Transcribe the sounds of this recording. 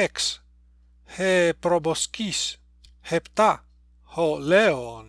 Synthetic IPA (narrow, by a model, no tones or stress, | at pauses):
eks | hepɾoboskis | hept̪a | holeon